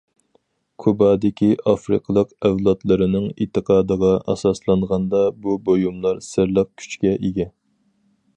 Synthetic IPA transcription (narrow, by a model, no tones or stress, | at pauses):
kʰubɑːd̪ɪkʲʰiʔɑfɾɨ̰qʰəlˠəqævlˠɑt̪lˠɨɾɨnɨŋḭt̪ʰːɨqʰɑːd̪əʁɑʔɑ̰sɑslˠɑɴʁɑnd̪ɑbubojumlˠɑɾsɪɾlˠəq̚kʲʰy̥t͡ʃkʲɛʔiɡʲɛ